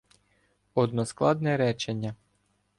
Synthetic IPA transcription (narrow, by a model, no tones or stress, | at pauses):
ɔd̪nɔsklˠɑd̪nɛɾɛt͡ʃenʲːɐ